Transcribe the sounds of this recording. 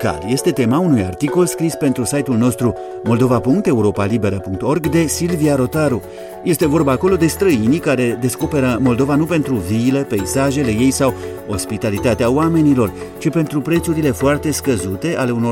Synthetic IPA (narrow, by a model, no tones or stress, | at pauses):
ka̰lje̞st̪e̞t̪e̞maunuja̰rt̪iko̞lskɾispe̞nt̪ɾusajt̪ulno̞st̪ɾu | mo̞ld̪o̞vapuŋk̚t̪e̞uɾo̞palibe̞ɾəpuŋk̚t̪o̞rɡd̪e̞silviaɾo̞t̪aɾu | je̞st̪e̞vo̞rbaːko̞lo̞d̪e̞st̪ɾəinikaɾe̞d̪e̞sko̞pe̞ɾəmo̞ld̪o̞vanupe̞nt̪ɾuvilepeisaʒe̞le̞je̞jsaw | o̞spit̪alit̪at̪eauame̞nilo̞r | t͡ʃipe̞nt̪ɾupɾe̞t̪suɾile̞foart̪e̞skəzut̪e̞ʔale̞uno̞